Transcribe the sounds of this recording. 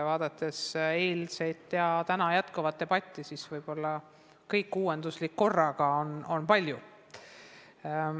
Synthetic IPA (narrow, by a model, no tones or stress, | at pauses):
vɑːd̪̥ɑt̪ːˑe̞seːlsejt̪ːˑjɑt̪ænɑjæt̪ˑkuvɑt̪ːeb̥ɑt̪ʲːˑisisvɤjb̥o̞lːɑ | kɤjkːuːwe̞nd̪̥uslikːo̞rːɑkɑono̞npɑlʲju